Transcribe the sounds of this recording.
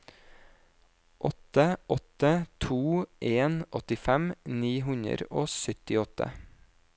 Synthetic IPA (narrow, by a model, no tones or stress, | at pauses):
ʔɔt̪əʔɔt̪ət̪ʰuːʔeːnʔɔt̪ɪfɛmniːɦʉɲə̰ɾoːsʏt̪ɪɔt̪ə̰